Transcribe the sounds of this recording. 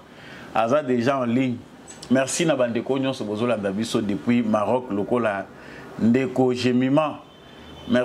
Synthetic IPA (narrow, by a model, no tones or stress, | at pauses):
azadeʒaɑ̃liɲ | mɛʁsinabandekoɲɔ̃sɔbozolandabisodepwimaʁɔklokola | ndekoʒemimã | mɛ